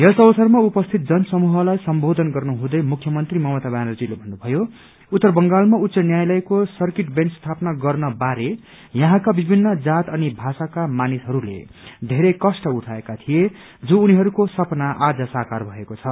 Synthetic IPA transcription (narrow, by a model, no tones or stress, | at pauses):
jʌsʌbʌsʌrmaupʌst̪ʰit̪̚d͡zʌnsʌmuɦʌlajsʌmbod̪ʱʌnɡʌrnuɦũd̪ʌjmukʰːjʌmʌnt̪rimʌmʌt̪abanʌd͡zilebʱʌnːubʱʌjo | ut̪ːʌrbʌŋɡalmaut̪ːsʌnjajlʌjkosʌrkiʈbenʈst̪ʰapnaɡʌrnʌbaɾe | jʌɦãkabibʱinːʌd͡zat̪ʌnibʱasakamanisɦʌɾulḛd̪ʱeɾekʌsʈʌuʈʰaekat̪ʰije | d͡zũːniɦʌɾukosʌpnaʔad͡zʌsakarbʱʌekot͡sʰʌ